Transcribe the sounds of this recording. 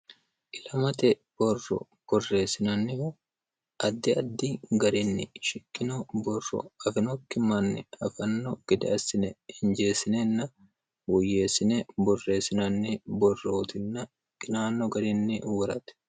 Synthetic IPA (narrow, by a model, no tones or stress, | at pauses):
ʔɪlɐmɐt̪ɛ | b̥ɔrːɔ̰ | b̥ɔrːe̞ːsɪnɐnːɪh | ʔɐd̪ːɪɐd̪ːiɡɐɾɪnːɪʃɪkːɪnɔbɔrːɔ̰ɐfɪnɔkːɪmɐnːɪɐfɐnːɔɡ̥ɪd̪ɪɐsːɪnɛɪnd͡ʒe̞ːsɪnɛnːɐ | wʊjːe̞ːsɪnɛbɔrːe̞ːsɪnɐnːɪbɔrːoːt̪ɪnːɐ | kʼɪnaːnːɔɡɐɾɪnːɪʔuːɾɐt̪ɛ̥